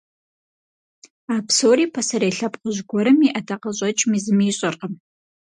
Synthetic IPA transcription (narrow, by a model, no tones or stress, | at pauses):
aːpsoːɾiːpʰɐsɐɾeːɬɐpʼqʼʊʑɡʷɔɾɨmiʔɐtʰɐqɐɕʼɐt͡ʃʼmizɨmiːɕʼɐrqəm